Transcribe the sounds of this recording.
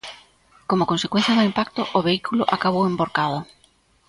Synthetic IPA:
komʊkõnsekwẽn̟θjaðʊimpak̚t̪ʊʔʊβeikʰulʊ̰ʔakaβowemboɾkaðʊ

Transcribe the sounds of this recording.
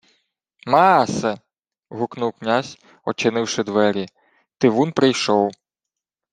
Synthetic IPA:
mɑsɛ | ɦʊknuwknʲazʲ | ɔt͡ʃɪnɪwʃɪd̪ʋɛɾʲi | t̪ɪʋunpɾɪjʃɔw

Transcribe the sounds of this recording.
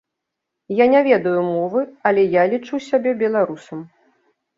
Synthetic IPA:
janʲavʲɛd̪ɐjumɔvɨɐlʲɛjalʲit͡ʂuwsʲabʲɛbʲɛlˠaɾusɐm

